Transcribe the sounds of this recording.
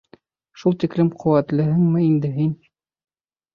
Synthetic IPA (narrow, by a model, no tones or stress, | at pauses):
ʃulˠt̪iklɘmqʰŏwæt̪lɘ̆ɦɘŋmɘind̪ɘɦin